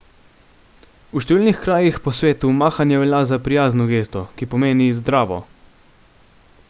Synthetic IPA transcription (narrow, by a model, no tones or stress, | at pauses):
uʃt̪ɛʋiːlnixkɾaːjixpɔsʋeːt̪umaːxanjɛʋɛlazapɾijaːznɔɡeːst̪ɔkipɔmeːnizd̪ɾaːʋɔ̰